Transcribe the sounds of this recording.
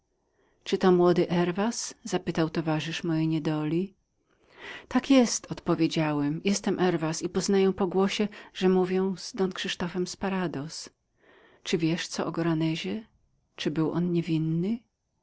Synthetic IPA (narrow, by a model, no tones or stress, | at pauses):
t͡ʂɘt̪ɔmwɔd̪ɘʔɛɾvaszapɘt̪awt̪ɔvaʐɘʂmɔjɛjɲɛd̪ɔlʲi | t̪akjɛst̪ʰɔt̪pɔvʲjed͡ʑawɛmjɛst̪ɛmʔɛɾvasipɔznajɛ̃pɔɡwɔɕɛʐɛmuvʲjɛw̃z̥d̪ɔnkʂɘʂt̪ɔfɛmspaɾad̪ɔs | t͡ʂɘvʲjɛʂt̪sɔʔɔɡɔɾanɛʑɛ | t͡ʂɘbɘwʔɔ̰nɲɛvʲinːɘ